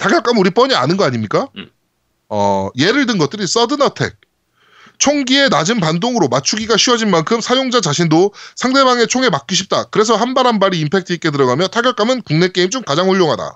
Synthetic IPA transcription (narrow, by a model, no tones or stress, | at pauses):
tʰaɡjʌɭk͈amuɾip͈ʌɲia̰nɯnɡʌaɲimɲik͈a | ʌje̞ɾɯɭdɯnɡʌt̚t͈ɯɾis͈ʌdɯnʌtʰe̞̰k̚ | t͡ɕʰoŋɡie̞nad͡ʑɯnpandoŋɯɾomat͡ɕʰuɡiɡaɕʰiʌd͡ʑinmankʰɯmsʰajoŋd͡ʑat͡ɕaɕʰindosʰaŋde̞baŋe̞t͡ɕʰoŋe̞mak͈̚iɕʰip̚t͈akɯɾe̞s̬ʰʌhanbaɾɦanbaɾiːmpʰe̞k̚t͈ʰɯik͈e̞tɯɾʌɡamjʌtʰaɡjʌɭk͈amɯnkuŋne̞k͈eimt͡ɕ͈omkad͡ʑaŋɸuʎːjoŋɦada̰